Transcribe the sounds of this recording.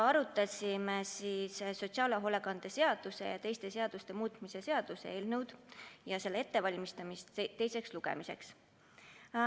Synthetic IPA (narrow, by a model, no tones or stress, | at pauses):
ɑɾut̪ːˑɑsʲimesiːsso̞t̪siɑːleɦolekɑnd̪̥e̞se̞ɑd̪̥use̞̰jɑt̪e̞jst̪e̞se̞ɑd̪̥ust̪e̞muːt̪ˑmise̞se̞ɑd̪̥use̞̰eːlnewd̪̥jɑse̞lːee̞t̪ːe̞vɑlʲmist̪ɑmist̪t̪ːe̞jse̞ksluɡ̥ḛmise̞̰ks